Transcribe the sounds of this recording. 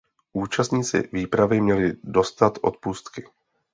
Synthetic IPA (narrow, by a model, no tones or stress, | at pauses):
ʔuːt͡ʃast̪ɲiːt͡sɪ̰viːpɾavɪmɲɛlɪdo̞st̪at̪ʔo̞̰t̪̚puːst̪kɪ